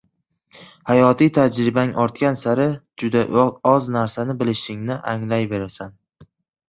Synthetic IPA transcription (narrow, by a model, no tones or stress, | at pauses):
hajɒt̪ʰijt̪ʰad͡ʒɾɪbaŋʔɒɾt̪kʲansaɾɪd͡ʒʊd̪aɒznaɾsanɪbɪlɪʃɪŋnɪʔaŋlajbe̞ɾasan